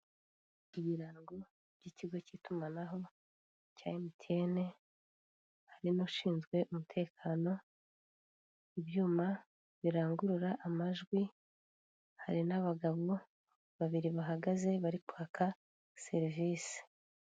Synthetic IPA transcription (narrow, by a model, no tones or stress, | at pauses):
iβiɾaːŋɡo | b̥ɟiːciɡo̞citumanaɦo̞ | ca̰ːemitʰe̞ːne̞ | haɾinoʃiːnzɡwe̞ʔumutʰe̞ːkʰaːno̞ | iβjuːma | βiɾaːŋɡuɾuɾaʔamaʒɡwi | haɾinaβaɡaβo | βaβiɾiβaɦaɡaze̞βaɾikwaːkʰa | se̞ɾiviːsi̥